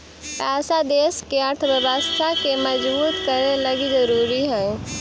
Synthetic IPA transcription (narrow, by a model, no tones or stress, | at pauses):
aːsad̪eːskeɐɾt̪ʰʋəʋast̪ʰakemɐd͡ʒbuːt̪kɐɾelɐɡizɐɾuːɾiɦɛ̃